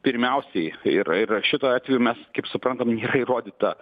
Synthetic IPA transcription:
pʲɪɾʲmʲɛʊsʲɛɪɪrɪrʃʲɪt̪oːɑːt̪ʋʲɛjuːmʲɛskɐɪpsʊpɾɐnt̪ɐmnʲeːɾɐiɾoːd̪ʲiːt̪ɐ

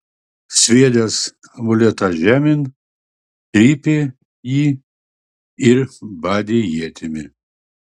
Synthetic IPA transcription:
sʲʋʲiɛd̪ʲɛs | mʊlʲɛt̪ɐʒʲæːmʲɪn | t̪ʲɾʲiːpʲɪ | jiː | ɪɾbɑːd̪ʲejiɛt̪ʲɪmʲɪ

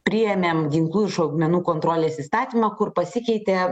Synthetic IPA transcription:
pʲɾʲɪjɛmʲeːmɡʲɪŋklˠuːɪʃɐʊɡmʲɛnuːkoːnt̪ɾoːlʲeːsiːst̪ɑːt̪ʲiːmɑkʊɾpɐsʲɪkʲɛɪt̪ʲeː

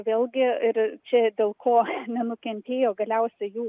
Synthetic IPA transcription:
ʋʲeːlʲɡʲɪɪɾt͡ʃʲɛdʲeːlˠkʰoːnʲɛnʊkʲɛnʲt̪ʲeːjoːɡɐlʲɛʊsʲɛjuː

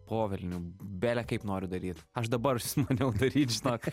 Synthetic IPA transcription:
poːʋʲɛlʲnʲubʲæːlʲɛkɐɪpnoːɾʲʊd̪ɐɾʲiːt̪ɐʃd̪ɐbɐɾsʲmɐnʲɛʊd̪ɐɾʲiːt̪ʒʲɪnoːk

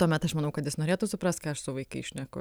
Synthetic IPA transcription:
t̪uɔmʲɛt̪ɐʃmɐnɐʊkɐt̪jɪsnoːɾʲeːt̪uːsʊpɾɐst̪kɐɐʃsʊʋɐɪkḭʃʲnʲɛkʊ̰

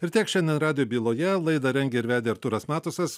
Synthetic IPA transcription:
ɪɾʲt̪ʲiɛkʃʲɛnʲd̪ʲɛnɾɑːd̪ʲɪjobʲiːlˠoːjɛlˠɐɪd̪ɐɾʲɛŋʲɡʲɛɪɾʲʋʲæːd̪ʲeːɪɾt̪uɾɐsmɑːt̪ʊsɐs

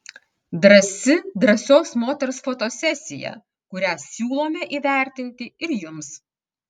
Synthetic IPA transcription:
d̪ɾɐsʲɪd̪ɾɐsʲoːsmoːt̪ʲɛɾsfoːt̪oːsʲɛsʲɪjɛ̰ | kʊɾʲæːsʲuːlˠoːmʲɛʔiːʋʲæˑɾʲˑt̪ʲɪnʲt̪ʲɪɪɾjʊms

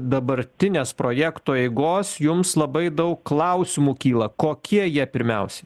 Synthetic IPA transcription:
d̪ɐbɐɾʲt̪ʲɪnʲeːspɾoːjɛkt̪oːɛɪɡoːsjʊmslˠɐbɐɪd̪ɐʊkklˠɐˑʊsʲɪmuːkʲiːlˠɐkoːkʲiɛjiɛpʲɪɾʲmʲɛʊsʲɛ

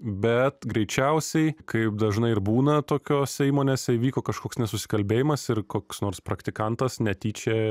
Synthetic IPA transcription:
bʲɛt̪ɡɾʲɛɪt͡ʃʲɛʊsʲɛɪkɐɪp̚d̪ɐʒnɐɪɪɾbuːnɐt̪oːkʲoːsʲɛiːmoːnʲeːsʲɛɪʋʲiːkoːkɐʃkoːksnʲɛsʊsʲɪ̥kɐlʲbʲeːjɪmɐsɪrkoːksnoːɾsprɐkt̪ʲɪkɐnt̪ɐsnʲɛt̪ʲiːt͡ʃʲɛː

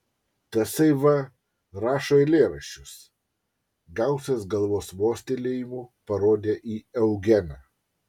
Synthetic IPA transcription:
t̪ɐsɐɪʋɐ | ɾɑːʃoːɪlʲeːɾɐʃʲt͡ʃʲʊs | ɡɐˑʊsʲesɡɐlˠʋoːsʋoːsʲt̪ʲelʲeːjimuːpɐɾoːd̪ʲeːʔiːɛʊɡʲɛnɑ

